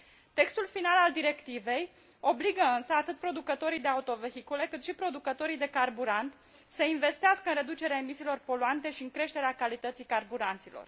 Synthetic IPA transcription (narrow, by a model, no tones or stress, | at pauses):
t̪e̞kst̪ulfinalald̪iɾe̞kt̪ive̞j | o̞bliɡəɨnsəat̪ɨt̪̚pɾo̞d̪ukət̪o̞ɾijd̪e̞aut̪o̞ve̞xikulekɨt̪ʃipɾo̞d̪ukət̪o̞ɾijd̪e̞karbuɾant̪ | səinve̞st̪easkəɨnɾe̞d̪ut͡ʃe̞ɾeaemisiːlo̞rpo̞luant̪e̞ʃiɨŋkɾe̞ʃt̪e̞ɾeakalit̪ət̪sijkarbuɾant̪silo̰r